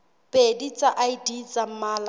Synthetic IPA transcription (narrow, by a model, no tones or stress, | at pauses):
pʼedit͡sʼaʔaidit͡sʼam̩maːl